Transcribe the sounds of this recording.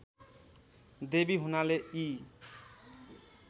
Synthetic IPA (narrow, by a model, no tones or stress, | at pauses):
d̪ebiɦunalei